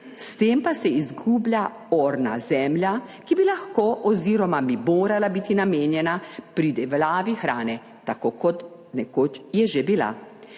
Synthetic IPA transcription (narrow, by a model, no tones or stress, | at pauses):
st̪eːmpasɛizɡuːblja | oːɾna̰zɛmljakibilaxkoːʔɔziːɾɔmabimoːɾalabiːt̪inameːnjɛnapɾid̪ɛʋlaːʋixɾaːnɛ | t̪akoːkɔt̪ | nɛkoːt͡ʃjɛʒebila̰